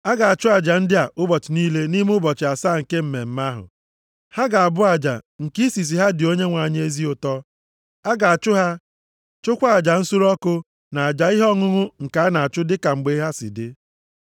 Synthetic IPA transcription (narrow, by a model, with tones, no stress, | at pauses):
a˦ɡa˨a˨t͡ʃʊ˦a˨d͡ʒa˨n̩˦dɪ˦a˨ʔʊ˦bɔ˨t͡ʃɪ˨niː˦le˦ni˦m˦ʊ˦bɔ˨t͡ʃɪ˨a˨saː˦˨ŋ̩˨ke˦m̩˨me˨m̩˨ma˦ɦʊ̰˨ | ha˦ɡa˨a˨bʊ˦a˨d͡ʒa̰˨ŋ̩˨ki˦si˨s̬i˨ɦa˦dɪ˨o˦ɲe˦ŋʷa˨ɲ˦e˦zi˦ʊ˨tɔ˦ | a˦ɡa˨a˨t͡ʃʊ˦ɦa˦ | t͡ʃʊ˦kʷa˦a˨d͡ʒa˨n̩˦su˦ɾɔ˦kʊ˦ | na˨a˨d͡ʒa˨i˦ɦɔ˦ŋʊ˦ŋʊ˦ŋ̩˨ka˨a˦na˨a˨t͡ʃʊ˦dɪ˦ka˨ŋ͡m̩˨ɡ͡be˦ɦa˦sɪ̰˨dɪ˦